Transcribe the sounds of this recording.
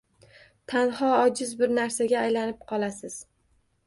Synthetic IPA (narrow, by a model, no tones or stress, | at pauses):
t̪ʰanhɒɒd͡ʒɪzbɪɾnaɾsaɡʲaːjlanɪp̚qʰɒlˠasɪz̥